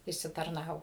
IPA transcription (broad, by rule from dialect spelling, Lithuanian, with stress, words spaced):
ɪʃʲsʲɪtɐrˈnɑːʋoː